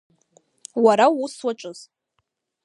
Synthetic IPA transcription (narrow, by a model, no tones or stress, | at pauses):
waɾauswaʈ͡ʂʼɨz̥